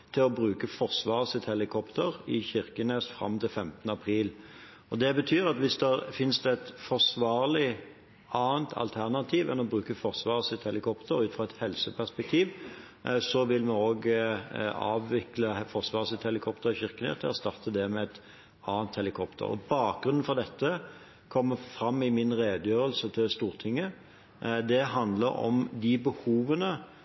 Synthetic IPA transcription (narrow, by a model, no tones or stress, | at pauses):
t̪ʰɪlɔbɾʉːkəfɔʁsʋɑːʁəsɪt̪hɛlɪkʰɔpt̪əɾɪçɪʁkəneːsfɾʁɑ̰mːt̪ɪlfɛmt̪ənəɑpʰɾiːl | ɔd̪ɛbət̪ʰyːʁɑt̪ʋɪsd̪ɛfɪnsd̪ɛɛt̪fɔʁsʋɑːʁlɪ | ɑːənt̪ʰɑ̰lt̪ʰæʁnɑt̪ʰiːʋɛ̰nɔbɾʉːkəfɔʁsʋɑːʁəsɪt̪hɛlɪkʰɔpt̪ʰəɾʉːfʁɑɛt̪hɛlsəpʰæʁspɛk̚t̪ʰiːʋ | sɔʋɪlmɛoːɡ | ɑ̰ːʋɪkləfɔʁsʋɑːʁsɪt̪hɛlɪkʰɔpt̪əɾçɪʁkənɛ̰ːt̪ʰɪɔst̪ɑʁt̪ʰəd̪ɛmɛɛt̪ | ɑːnt̪hɛlɪkʰɔpt̪ʰə̰ʁɔ̰bɑːk̚ɡɾʉnn̩fɔʁd̪ɛt̪ːə | kʰɔmːəfɾɑmːɪmɪnʁeːd̪jøːʁəlsət̪ʰɪlst̪uːʁt̪ʰɪŋːə | d̪ɛɦɑnd̪lə̰ɾɔ̰md̪ɪbəhuːʋənə